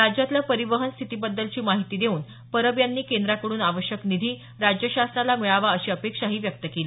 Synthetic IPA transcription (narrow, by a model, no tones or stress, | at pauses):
ɾad͡ʑat̪lapəɾiʋəɦənst̪ʰit̪iːbəd̪ːəlt͡ɕiːmaɦit̪iːd̪euːn | pəɾəbjanːiːkend̪ɾakəɽuːnaʋəɕjəknid̪ʱiː | ɾad͡ʑjəɕasnalamiɭaʋaəɕiːəpekʂaɦiːʋjək̚t̪əkeliː